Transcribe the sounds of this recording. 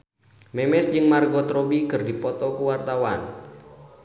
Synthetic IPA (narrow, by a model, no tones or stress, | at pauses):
mɛmɛsd͡ʒɨŋmarɡɔt̪ɾɔbikɨrdipɔt̪ɔkuwart̪awan